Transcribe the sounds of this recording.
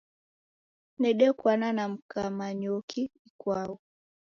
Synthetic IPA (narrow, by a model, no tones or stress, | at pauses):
nɛɗɛkwananam̩kamaɲɔkiikwaɔ